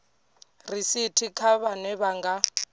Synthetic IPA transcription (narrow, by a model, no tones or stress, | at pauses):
risitʰikʰaβanɛβaŋɡa